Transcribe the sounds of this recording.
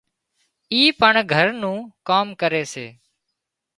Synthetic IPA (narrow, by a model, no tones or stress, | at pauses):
iːpəɳɡʱəɾnũːkaːmkəɾeːsḛː